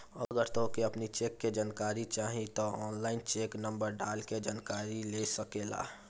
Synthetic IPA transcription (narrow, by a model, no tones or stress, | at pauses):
əɡəɾt̪okeəpnit͡ʃeːkːed͡ʒaːnkaːɾit͡ʃaːɦĩt̪oɔːnlaːɪnt͡ʃeːknə̃mbəɾɖaːlked͡ʒaːnkaːɾilesəkeːla̰ː